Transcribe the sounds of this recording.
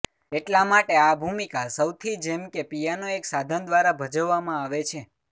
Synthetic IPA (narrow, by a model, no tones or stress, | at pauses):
eʈlamaʈeabʱumikasəwt̪ʰid͡ʒemkepijanoeksad̪ʱənd̪ʋaɾabʱəd͡ʒəʋːamãaʋet͡ʃʰe